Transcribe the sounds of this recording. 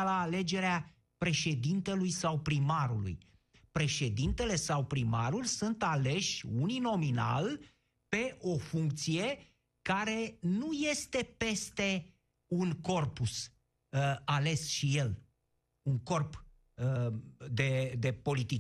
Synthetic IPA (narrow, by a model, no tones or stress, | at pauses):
laːle̞d͡ʒe̞ɾea | pɾe̞ʃe̞d̪int̪e̞lujsawpɾimaɾulṵj | pɾe̞ʃe̞d̪int̪e̞le̞sawpɾimaɾulʲsunt̪ale̞ʃʲunino̞mina̰l | pe̞ʔo̞fuŋk̚t̪sije̞ | kaɾe̞nuje̞st̪e̞pe̞st̪e̞ | unko̞rpus | ale̞sʃije̞l | uŋko̞rp | d̪e̞d̪e̞po̞lit̪i